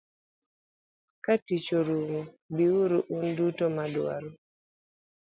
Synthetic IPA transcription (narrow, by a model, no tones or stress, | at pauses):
katit͡ʃoɾumo | biwuɾuʔundutomadwa̰ɾo